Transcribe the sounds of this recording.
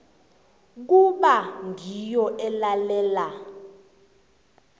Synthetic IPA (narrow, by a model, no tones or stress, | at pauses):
k̬uɓaŋʱijɔʔɛlalɛːla